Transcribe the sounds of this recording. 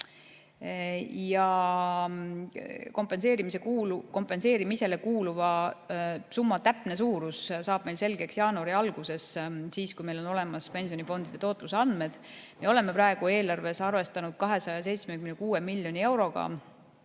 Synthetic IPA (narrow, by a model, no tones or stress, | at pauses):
jɑ | ko̞mpːˑe̞nseːɾimisekuko̞mpˑe̞nse̞ːɾimise̞le̞kuːluvɑ | sumːɑt̪æpne̞suːɾussɑːb̥̚me̞jlse̞lɡ̥e̞ksjɑːnuɑɾiɑlɡ̥use̞ssiːskujme̞jlono̞le̞mɑspe̞nsijo̞nifo̞nd̪̥id̪̥e̞t̪o̞ːt̪luse̞ɑnd̪̥me̞d̪̥me̞o̞le̞me̞prɑeɡ̥ue̞ːlɑrve̞sɑrve̞st̪ɑnud̪̥̚kɑɦe̞sɑjɑse̞jt̪smekymnekuːe̞milʲːjo̞nie̞wɾo̞ɡ̥ɑ̰